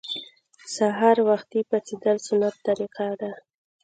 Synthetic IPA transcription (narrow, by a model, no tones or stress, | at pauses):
saɦɑɾwaxt̪ipat͡sid̪əlsʊnat̪ːaɾiqad̪a